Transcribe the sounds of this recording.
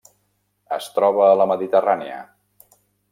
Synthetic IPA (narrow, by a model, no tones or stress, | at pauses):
əst̪ɾɔβ̞əːləməðit̪əraniə̰